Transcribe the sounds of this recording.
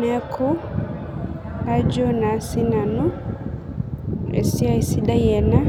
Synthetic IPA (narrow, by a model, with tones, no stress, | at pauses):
mɛ˦kʰɔ˦ | a˦d͡ʒɔ˦na˨˦si˦na˨nu˦ | ɛ̰˨si˦a˦i˨si˦ɗa˦jɛ˨na˦